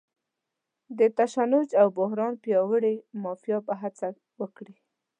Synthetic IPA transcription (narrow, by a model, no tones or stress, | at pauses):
d̪ət̪aʃanʊd͡ʒawbʊɦɾɑnpjɑwəɽemɑfjɑpəɦat͡sa | wəkɽi